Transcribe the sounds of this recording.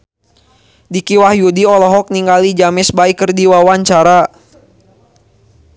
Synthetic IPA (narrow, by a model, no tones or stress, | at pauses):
dikiwahjudiɔlɔɦɔk̚niŋɡalid͡ʒamɪsbaikərdiwawaɲt͡ʃaɾa